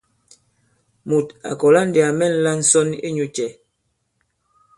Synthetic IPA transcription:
mu˨ta̰˨kɔ˨la˦n̩˦de˨a˨mɛ˦˨n̩˦la˦n̩˦sɔ˦nḭ˦ɲu˨t͡ʃɛ˨

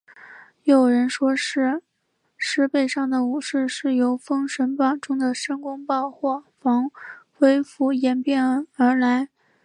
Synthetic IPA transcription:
jo˨˩ʊɻə˧˥nʂwɔ˥ʂɻ̩˥˩ | ʂɻ̩˥˧pe˥˧ɪʂɑ˥˩ŋd̪ə˩u˨˩ʂɻ̩˥˧ʂɻ̩˥˩jo˧˥ʊfɤ˥ŋʂə˧˥npɑ˨˩ŋʈ͡ʂʊ˥ŋd̪ə˨ʂə˥ŋkʊ˥ŋpɑ˥˧ʊxwɔ˥˩fɑ˧˥ŋxwe˥ɪfu˧˥jɛ˨˩npjɛ˥˩˥ə˧˥la˧˥ɪ

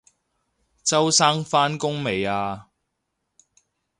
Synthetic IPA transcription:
t͡sɐ˥wsaː˥ŋfaː˥nkʊ˥ŋme˨jaː˧

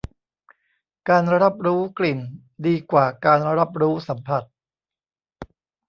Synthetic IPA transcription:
kaː˧nɾa˦˥p̚ɾuː˦˥kli˨˩n | diː˧kwaː˨˩kaː˧nɾa˦˥p̚ɾuː˦˥sa˩˦mpʰa˨˩t̪̚

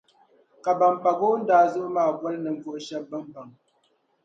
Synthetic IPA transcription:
ka˨ba˨mpa˨ɡo˦n̩˦daː˨zo˦ʔmaː˦˨bɔ˦lnə˨ŋ̩˨fo˨ʔʃɛ˦bə˦mba˨ŋ

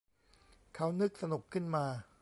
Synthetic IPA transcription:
kʰa˦˥wnɯ˦˥k̚sa˧nu˨˩kʰːɯ˥˩nmaː˧

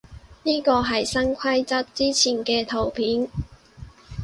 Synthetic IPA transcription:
niː˥kɔː˧ɦɐ˨jsɐ˥ŋkʰɐ˥jt͡sɐ˥t̚t͡siː˥t͡sʰiː˨˩nkɛː˧t̪ʰo˨˩wpʰiː˨˥n

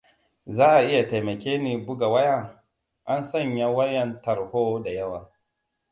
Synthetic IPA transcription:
zaː˦ʔa˨ʔɪ˦ja˨ta˨jmɐ˨kʲeː˦niː˨bʊ˦ɡa˨wɐ˦jaː˦˨ | ʔa˦nsɐ˦˨ɲja˦wɐ˦jɛ˨ntɐ˨ɾhoː˦da˨jɐ˦waː˨

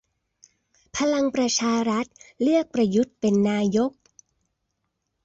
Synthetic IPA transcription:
pʰa˧la˧ŋpɾa˧t͡ɕʰaː˧ɾa˦˥t̪̚lɯ˥˩ək̚pɾa˧ju˦˥t̪̚pe˧nːaː˧jo˦˥k̚

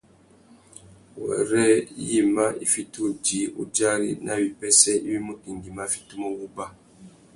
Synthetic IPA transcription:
wɛ̰˨ɾɛ˦ji˦ma˦i˦fi˦tu˦˨d͡ʒi˨˦ṵ˦d͡ʒa˦ɾḭ˦nʔa̰˦˨wi˨pɛ˦sɛ˦i˦wi˦mo˦ki˨ŋ˨ɡi˨ma˦fi̥˦tu˦mo˦ɡu˦ba˦

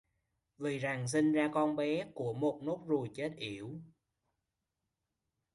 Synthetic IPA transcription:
vɨ˨˩jza˨˩ŋs̬i˧ŋzaː˧kɔ˧nɓɛ˨˦ku˧˩əmo˨˩t̚no˦˥k͡p̚zu˨˩jt͡ɕe˦˥t̚ʔi˧˩˨əw

